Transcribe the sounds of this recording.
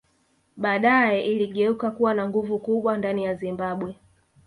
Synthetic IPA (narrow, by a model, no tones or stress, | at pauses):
ɓaːɗajɛʔiliɠɛukakuwanaŋɡuvukuɓwandanijazimbaɓwɛ